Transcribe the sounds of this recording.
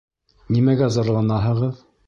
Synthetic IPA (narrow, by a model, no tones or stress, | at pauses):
nimæɡæzɑɾlˠɑnɑɦɤ̆ʁɤð